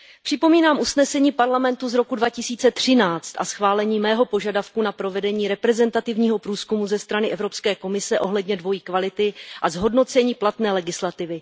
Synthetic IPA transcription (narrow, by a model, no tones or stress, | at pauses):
pr̥ɪpo̞miːnaːmʔusnɛsɛɲiːpaɾlamɛnt̪uzɾo̞kudvacɪsiːt͡sɛt̪r̝̥ɪnaːt͡st̪ʔa̰sxvaːlɛɲiːmɛːɦo̞po̞ʒadafkunapɾo̞vɛdɛɲiːɾɛpɾɛzɛnt̪at̪ɪvɲiːɦo̞pɾuːskumuzɛst̪ɾanɪʔɛvɾo̞pskɛːko̞mɪsɛʔo̞ɦlɛdɲɛdvo̞jiːkvalɪt̪ɪʔazɦo̞dno̞t͡sɛɲiːplat̪nɛːlɛɡɪslat̪ɪvɪ